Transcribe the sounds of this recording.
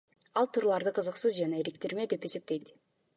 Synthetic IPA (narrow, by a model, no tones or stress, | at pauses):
ɑlˠt̪ʰuːɾulˠɑɾd̪ɯqʰɯzɯqsɯzd͡ʒɑnɑeɾek̚t̪eɾme̞d̪e̞pe̞se̞p̚t̪e̞jt̪